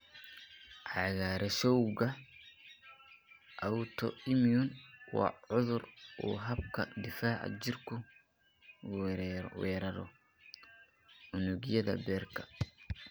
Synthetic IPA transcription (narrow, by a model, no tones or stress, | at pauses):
ʕɑɣaːɾɛsɔwɣɐ | ʔɐwt̪ʰɔʔɪmiʊnwɑ̰ʕʊðʊrʔɔ̰ːɦɐbkʰɐd̪ɪfaːʕa̰d͡ʒɪrkʰʊ | wɛːɾɐɾɔ̰ | ʔʊnʊɣɪjɐðɐ̰bɛːrkʰɐ̥